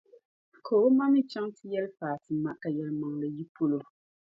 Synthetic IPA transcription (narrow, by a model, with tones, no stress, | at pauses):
kʰoː˨bo˦ma˦mi˦t͡ʃɛ˦ŋtɨ˦jɛ˦lfaː˨tɨ˨ma˨ka˨jɛ˨lma˨ŋlɨ˨ji˦pʰo˦lo˨